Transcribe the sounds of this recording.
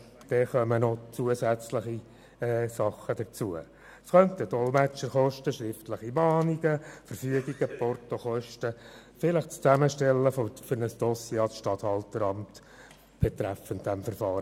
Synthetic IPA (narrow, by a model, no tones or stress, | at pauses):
d̥ɛχœmənot͡suəsæt͡sləχi | ɛsɑχːəd̥ət͡suə | sχœnt̪ədɔlmæt͡ʃəɾχɔʃtəʃɾɪftləχimɑːniɡ̥əfəɾfyəɡiɡ̥əpɔrtoχɔʃtə | fɪləχt͡st͡sæməʃtɛlːəfɔfʏɾnəsd̥ɔsjɛɑsʃtɑthɑltəɾɑmt | b̥ɛt̪ɾæfəntd̥æmfəɾfɑːɾə